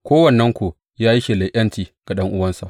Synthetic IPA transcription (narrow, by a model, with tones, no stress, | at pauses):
kʷoː˦wɐ˨nːɐ˦ŋkʷo˨ | jaː˦ji˦ʃe˨la˨ʔɐ˦ntiː˨ɡ̥a˨ɗɐ˦ŋʔʊ˦wɐ˦nsa˨ʔ